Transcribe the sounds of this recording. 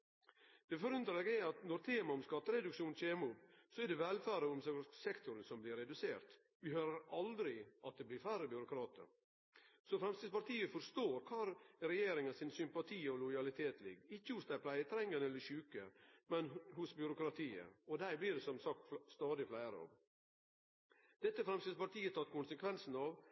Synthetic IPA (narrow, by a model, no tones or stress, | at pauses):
d̪̥ɛfɔɾʉnt̪ɾeɡɛɑt̪nɔɾt̪ʰeːmɑɔmskɑt̪ːəɾɛd̪ʉkʂuːnc͡çeːmusɔɛɖɛʋɛlfæːɾəɔmsɛsɛkt̪ʊɾənsɔmblɪɾɛd̪ʉseːɾt̪ | ʋɪɦøːɾəɾɑld̪ɾɪʔɑt̪̚d̪ɛblɪɾfæːɾəbjʏɾʊkʰɾɑːt̪ə̰ɾ | sɔfɾɛmst̪ɪpɑɾʈ̪ʰiːəfɔɾst̪oːɾkʰɑːɾɾɛjeːɾɪŋɑnsɪnsʏmpɑt̪ʰiːɔlɔjɑlɪt̪ʰeːt̪lɪ̰ɡɪçːəhʊsd̪æɪpʰlæɪət̪ʰɾɛŋːənɛlːəçʉːkəmɛnhʊsbʏɾʊkɾɑt̪ʰiːə̰ɔd̪æɪblɪɖɛsɔmsɑkt̪st̪ɑːd̪ɪflæɪɾə̰ɑ̰ʋ | d̪̥ɛt̪ːəfɾɛmst̪ɪd̪spɑɾʈ̪iːət̪ʰɑt̪kʰʊnsəkʰʋɛnsn̩ɑʋ